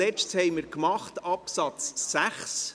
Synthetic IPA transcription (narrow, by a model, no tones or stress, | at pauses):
ɛt͡ʃthɛɪməɾkmɑχtɑpsɑt͡sːæχs